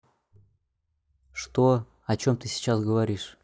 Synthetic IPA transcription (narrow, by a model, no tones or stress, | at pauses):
ʂt̪o | ɐt͡ɕo̞mt̪ɨsʲɪ̥t͡ɕasɡəvɐɾʲiʂ